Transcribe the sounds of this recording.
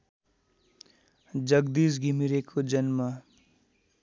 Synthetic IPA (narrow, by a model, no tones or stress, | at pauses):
d͡zʌɡd̪is̬ɡʱimiɾekʰod͡zʌnmʌ